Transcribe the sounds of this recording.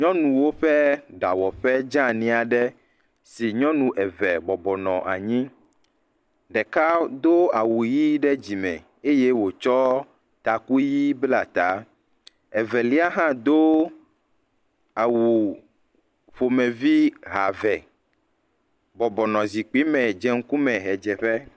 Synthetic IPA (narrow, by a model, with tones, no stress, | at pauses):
ɲɔ̃˦nũ˨wo˦ɸɛ˦ɖa˨wɔ˨ɸɛ˦d͡ʒã˦nĩ˦a˨ɖɛ˦ | si˨ɲɔ̃˦nũ˨ʔɛ˨vɛ˨bɔ˨bɔ˨nɔ̰̃˨ʔa̰˨ɲĩ˦ | ɖɛ˨ka˦d̪o˦a˨wu˨ji˦ɖɛ˦d͡ʑi˨mɛ̰̃˨ | e˦je˦wo˨t͡ʃɔ˦ | t̪a˨ku˦ji˦bla˨t̪a˨˦ | ɛ˨vɛ˨li˦a˦ɦã˦d̪o˦ | a˨wu˨ | ɸo˨mɛ̃˨vi˦ɦa˨vɛ˨ | bɔ˨bɔ˨nɔ̃˨zi˨k͡pi˨˦mɛ̃˨d͡ʒɛ˦ŋ̩˦ku˦mɛ̃˨ɦɛ˨d͡ʒɛ˨ɸɛ˦